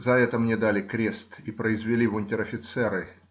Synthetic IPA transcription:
zɐɛt̪əmnʲed̪alʲɪkɾʲe̞st̪ipɾəɪzvʲɪlʲivʊnʲtʲɪɾɐfʲɪt̪sɛɾɨ

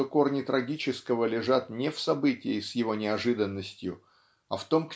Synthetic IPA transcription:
oko̞rnʲɪt̪ɾʔɐɡʲit͡ɕɪskəvəlʲɪʐat̪nʲɪfsɐbɨtʲɪjəsjɪvo̞nʲɪɐʐɨd̪ənːəsʲtʲjʊ | ɐft̪o̞mk

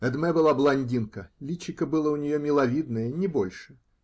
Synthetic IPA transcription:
ɛd̪mɛbɨlˠablˠanʲdʲinkɐlʲit͡ɕikɐbɨlˠəunʲɪjɔmʲɪlˠavʲid̪nəjənʲɪbɔlʲʂɨ

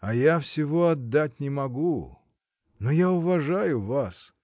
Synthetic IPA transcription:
ɐjafsʲɪvoɐd̪ːat̚ʲnʲɪmɐɡu | nojaʊvɐʐajʊvas

